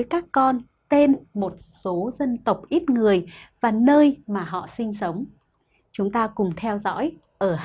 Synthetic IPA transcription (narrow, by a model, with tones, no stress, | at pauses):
jkaː˦˥kːɔ˧n | t̪e˧nmo˨˩t̚so˨˦zə˧nt̪ə˨˩wk͡p̚ʔi˦˥t̚ŋɨ˨˩əjvaː˨˩nəː˧jmaː˨˩ɦɔ̰˧˨sï˧ŋ̟sə˨˦wŋ͡m | t͡ɕʊ˨˦ŋ͡mt̪aː˧kʊ˨˩ŋ͡mt̪ʰɛ˧wzɔ̰˧˥j | ʔəː˧˩